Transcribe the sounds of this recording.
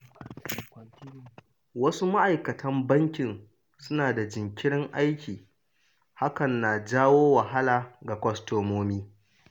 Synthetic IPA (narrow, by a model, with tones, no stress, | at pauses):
wɐ˦su˦ma˦ʔa˨jkɐ˨tʰɐ˦mbɐ˦ŋkʲɪ˨n | sʊ˦naː˨da˨d͡ʒɪ˨ŋkʲɪ˦ɽɪ˦ŋʔa˦jkʲiː˨ | ha˦kɐ˨nːa˨d͡ʒaː˦woː˦wɐ˨ɦa˦laː˨ɡa˨kʷɐ˦stoː˨moː˦miː˦